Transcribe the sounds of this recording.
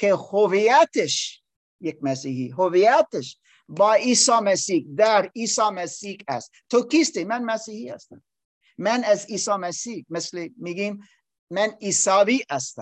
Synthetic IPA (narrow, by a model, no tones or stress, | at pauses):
kehoviæt̪ʰeʃ | jek̚mæsiːhiɦoviæt̪eʃ | bɑːiːsɑːmæsiːhd̪æɾiːsɑːmæsiːhæst̪t̪ʰːokiːst̪emænmæsiːhihæ̰st̪æm | mænæziːsɑːmæsiːhmeslemiɡiːm | mæniːsɑːviːæst̪æ̰m